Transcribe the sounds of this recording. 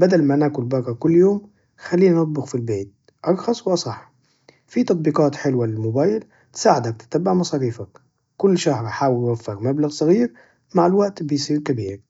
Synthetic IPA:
bad̪almanaːkʊlbɑrˤːɑkʊlːjoːm | xalːiːnʔɑt̪̚ˤbɪɣfilbeːt̪̚ | ʔɑɾˤxɑsˤwʔɑsˤɑħ | fit̪ɑt̪̚ˤbiːqɑːt̪ħɪlwalɪmʊbaːjɪl | t̪saːʕɪd̪ak̚t̪ɪ̥t̪abːaʕmɑsˤɑːɾiːfak | kʊlːʃahɾħaːwɪlʔwafːɪɣmablaɣsˤɑɣiːɾ | maʕalwaʔt̪bɪjsˤiːɾkabiːɾ

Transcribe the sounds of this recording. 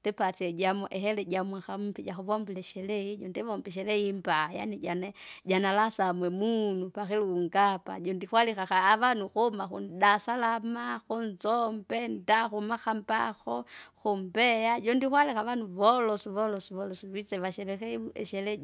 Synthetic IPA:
tɛpatiɛd͡ʒamuʔɛhɛlɛɟamwɛxamupid͡ʒaxuβɔmbilɛʃɛlɛid͡ʒɔndɛβɔmbɛʃ̬ɛlɛimbaja̰nid͡ʒanɛɟanalasamwɛmunupaxɛluŋɡapa̰d͡ʒɔndixwalixaxaːβanuxumaxṵndasalamaxunzɔmbɛndaxumaxamba̰xɔxumbɛjad͡ʒɔndixwalixaʋanuʋɔlɔsuβɔlɔsuβɔlɔsuβit͡sɛβaʃɛlɛxɛɛ̰ʃɛlɛ

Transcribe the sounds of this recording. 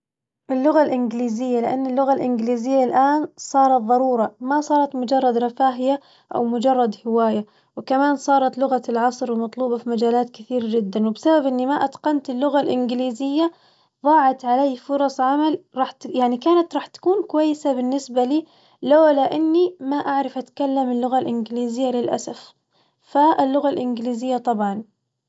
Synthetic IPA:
ʔɪlːʊɣalʔɪnɡɪliːzɪjːalɪʔanːɪlːʊɣalʔɪnɡliːzɪjːalʔaːnsˤɑːɾˤɑt̪̚ðˤɑɾˤuːɾˤɑmasˤɑːɾˤɑt̪mʊd͡ʒɑrˤːɑd̪ɾˤɑfaːɦɪja | ʔa̰wmʊd͡ʒɑrˤːɑd̪hɪwaːja | wɪkamaːnsˤɑːɾˤɑt̪lʊɣalʕɑsˤɾwɪmɑt̪ˤluːbɑfimad͡ʒaːlaːt̪kɪθiːɾd͡ʒɪd̪ːanwɪbsababʔɪnːimaʔat̪qɑnt̪ɪlːʊɣalʔɪnɡɪliːzɪjːa | ðˤɑːʕɑt̪ʕalaːfʊɾˤɑsˤʕamalɾˤɑːħt̪jaʕnikaːnat̪ɾˤɑːħt̪ḁkuːnkʊwajːɪsabɪnːɪsbaliː | lawlaʔɪnːimaʔaʕɾˤɪfʔat̪kalːamɪlːʊɣalʔɪnɡɪliːzɪjːalɪlʔa̰saf | falːʊɣalʔɪnɡliːzɪjːat̪ˤɑbʕɑn

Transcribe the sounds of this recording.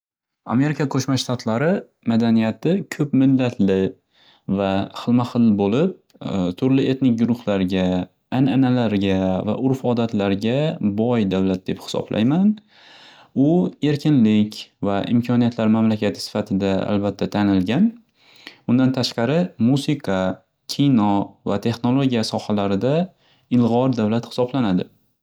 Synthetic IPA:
a̰me̞ɾɪkʰakʰɵʃmaʃt̪ʰat̪ʰlaɾɪ | mad̪anijat̪ʰɪkʲʰɵpmɪlːat̪ʰlɪ | vaχɨlˠmaχɨlbolɪp̚ | t̪ʰʊɾlɪe̞t̪nɪk̚ʲɡʊɾʊhlaɾɡʲaː | nanalaɾɡʲava̰ʔʊɾfɒd̪at̪laɾɡʲabɒjd̪awlat̪̚d̪e̞phɪ̥sɒ̰b̥lʔa̰jman | ʊe̞ɾkʲʰɪnlɪkʲvaʔɪ̰mkʲʰɒnijat̪laɾmamlakʲat̪ʰɪ̥sɪ̥fat̪ʰɪd̪aa̰lbat̪ʰːat̪ʰanɪlɡʲan | ʊnd̪ant̪ʰaʃqɑɾɪmusɪkʰɑ | kʲʰinɒvat̪ʰe̞χno̞lˠoɡʲijasɒhalaɾɪd̪a | ɪlˠʁɒɾd̪avlat̪hɪ̥sɒblanad̪ɪ

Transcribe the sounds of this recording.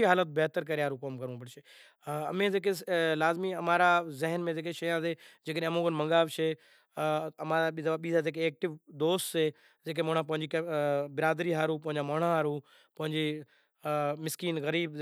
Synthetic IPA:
iɦaːlət̪̚beɦt̪əɾk̬ɐɾeaːɾũkoːmkɐɾũpəɽʃe | ɐmẽzeːk̬elaːzmĩɐmaːɾazɪɦənmẽd͡ʒeːkeʃɐjãsed͡ʒeːkəɗẽːɐmũːɡənmɐ̃ŋɡaːʋʃe | ɐmaːɾaɓzɐaɓiːzazeːk̬eːk̚ʈɪʋd̪oːst̪se | d͡ʒeːk̬emɐɽ̃ãp̬ɐ̃ɦɪ̃ɲd͡ʑikbɪɾaːd̪ɾiɦaːɾũp̬ɐ̃ɦɪ̃ɲd͡ʑamɐɦɳãɦaːɾũː | pɐ̃ɦɪ̃ɲd͡ʑiː | mɪskiːnɣɐɾiːb

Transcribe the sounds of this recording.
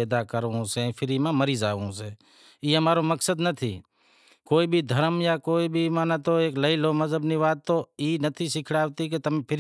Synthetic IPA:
ɛːd̪aːkəɾõsẽːpʰɪɾimãːməɾiːzaːõseː | iːɦəmaːɾoməksəd̪nət̪ʰḭː | koːibʱiːd̪ʱəɾmjaːkoːibʱimãːnat̪oeːkləiloːməzəbniʋaːt̪ːoːiːnət̪ʰisɪkʰɽaːʋt̪ik̬et̪əmẽːpʰɪɾ

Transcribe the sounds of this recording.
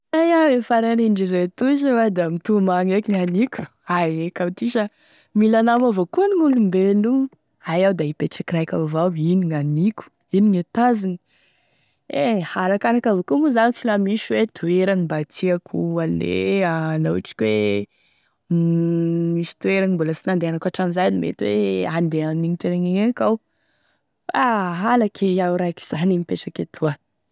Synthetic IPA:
ajaefaɾeniɳɖ͡ʐiret̪uziwad̪amit̪umaŋekiŋanikʲu̥ | aekawt̪iʃa | milanamavokuəniŋulumbenu | ajawd̪aipeʈ͡ʂakirajkavawiniŋanikʲu̥ | iniŋat̪azinə | ehaɾakaɾakavokumuzanit͡silamiʃuwet̪ʰueɾanibat̪iakʰualḛalaʈ͡ʂi̥kʲwe | miʃi̥t̪ueɾanimbuləsinand̪eanakaʈ͡ʂamizajnimḛt̪weand̪eanniɲit̪eɾeŋaŋekaw | faɦalakʰeawɾajki̥z̥animipeʈ͡ʂakat̪ʰuə

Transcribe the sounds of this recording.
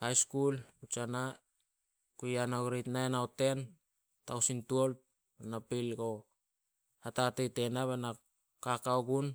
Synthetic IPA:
hajskulut͡ʃana | kujanaɡɾejtnaenaote̞n | tawsintuolp̚ | anapilɡo̞ | atatejtenaβana | kakaoɡun

